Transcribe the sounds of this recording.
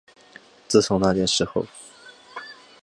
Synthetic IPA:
t͡sɹ̩˥˩t͡sʰʊ˧˥ŋna˥˧˩t͡ɕjɛ˥˩nʂɻ̩˧˥xo˧ʊ

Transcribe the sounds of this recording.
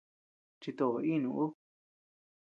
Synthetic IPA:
t͡ʃi˧t̪o˧ʔo˨˧i˦nũ˧ʔu˦

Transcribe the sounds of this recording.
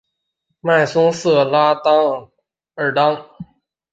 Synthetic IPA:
ma˥˧˩jsu˧˥˦ŋsɯ˧˩əlaː˧t̪a˧˥ŋ | ə˨˩da˧˥ŋ

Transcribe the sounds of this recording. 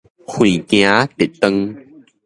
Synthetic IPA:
xʰwĩː˨˩kj̃ã˨˦t̪e˨˩t̪ə˧ŋ

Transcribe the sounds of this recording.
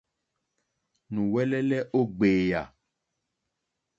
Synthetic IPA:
nũ˨wɛ˦lɛ˦lɛ˦ʔo˦ɡ͡beː˨ja̰˨

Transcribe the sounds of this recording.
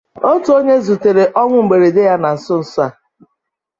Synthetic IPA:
o˦tu˨o˦ɲe˦zu˨te˨ɾe˨ʔɔ˦ŋʷʊ˦ŋ͡m̩˨ɡ͡be˨ɾe˨de˦ja˦na˨n̩˨sʊ˦n̩˨sʊ˦a˦˨

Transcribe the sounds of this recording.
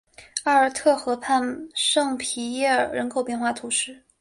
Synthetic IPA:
a˥˩ə˞˨˩t̪ʰɤ˥˩xɤ˧˥pʰa˥˧nʂɤ˥˩ŋpʰi˧˥jɛ˥˩ə˞˨˩ɻə˧˥nkʰo˨˩ʊpjɛ˥˧nxwa˥˩t̪ʰu˧˥ʂɻ̩˥˩

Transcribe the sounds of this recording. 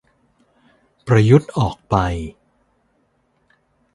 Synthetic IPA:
pɾa˧ju˦˥t̪̚ʔɔː˨˩k̚pa˧j

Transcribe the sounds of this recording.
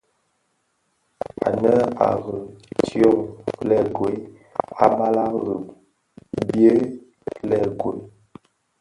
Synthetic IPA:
a̰˨nə˦a̰˨ɣə˨tjo˦˨ŋlɛ˦ɡo˨˦ | a˦ba˦la˦ɣə˨p | bje˦ | lɛ˦˨ɡo˨j

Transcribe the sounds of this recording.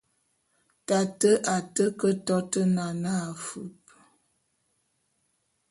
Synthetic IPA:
ta˨tə˦ʔa˨tə˦kə˦tɔ˦tə˦na˨na˦a˨fʉ˦p̚

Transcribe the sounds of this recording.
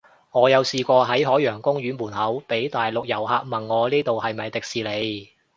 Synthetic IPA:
ŋɔː˨˧jɐ˨˧wsiː˨kʷɔː˧ɦɐ˨˥jɦɔː˨˥jːœː˨˩ŋkʊ˥ŋjyː˨˥nmuː˨˩nhɐ˨˥wpe˨˥jt̪aː˨jlʊ˨k̚jɐ˨˩whaː˧k̚mɐ˨nŋɔː˨˧liː˥t̪o˨whɐ˨jmɐ˨jt̪ɪ˨k̚siː˨le˨˧j

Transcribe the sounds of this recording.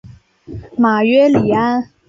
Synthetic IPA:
ma˨˩ɥɛ˥li˨˩a˥n

